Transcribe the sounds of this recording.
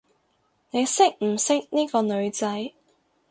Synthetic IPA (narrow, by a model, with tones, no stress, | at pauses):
ne˨˧jsɪ˥k̚m̩˨˩sɪ˥k̚niː˥kɔː˧nɵ˨˧ɥt͡sɐ˨˥j